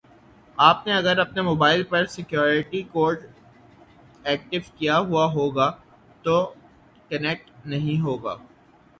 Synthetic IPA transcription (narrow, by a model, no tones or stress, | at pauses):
aːpneɐɡəɾɐpnemoːbaːɪlpɐɾsɪkjɔːɾɪʈikoːɾɖ | ɛːk̚ʈɪʋkijaɦuaɦoːɡa | t̪o | kɐnɛk̚ʈnɐɦĩɦoːɡa̰ː